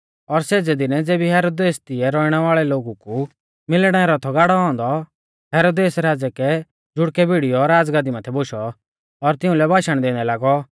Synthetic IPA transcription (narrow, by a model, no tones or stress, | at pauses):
ɔɾseːd͡zɛd̪ɪnɛd͡zeːbiɦɛːɾoːd̪eːst̪ɪɛɾɔːiɽ̃ɛʋaːɭɛloːɡuku | mɪlɽ̃ɛ̃ɛɾɔt̪ʰɔɡaːɽɔɦɔ̃ːnd̪ɔ | ɦɛːɾoːd̪eːsɾaːd͡zɛkɛ | d͡zʊɽkɛbʱiɽijɔɾaːd͡zɡad̪imãt̪ʰɛboʃɔ | ɔɾt̪ɪũlɛbaːʃəɽ̃d̪eːñɛlaːɡɔ